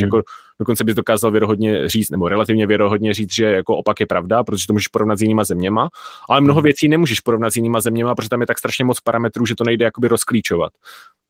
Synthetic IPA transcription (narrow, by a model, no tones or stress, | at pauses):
jakod̥okont͡sɛbɪzdo̞kaːzalvjɛɾoɦo̞dɲɛriːt͡st̪nɛboɾɛlat̪ɪvɲɛvjɛɾoɦo̞dɲɛriːt͡s̪ʒɛjakoʔopakjɛpɾavdapɾot̪oʒɛt̪omuːʒɛʃpo̞ɾovnat̪zjɪniːmazɛmɲɛmaʔalɛmnoɦovjɛt͡siːnɛmuːʒɛʃpoɾo̞vnat̪zjɪniːmazɛmɲɛmapɾoʒɛt̪amjɛt̪akst̪ɾaʃɲɛmot͡spaɾamɛt̪ɾuːʒɛt̪o̞nɛjdɛjakobɪɾoskliːt͡ʃova̰t̪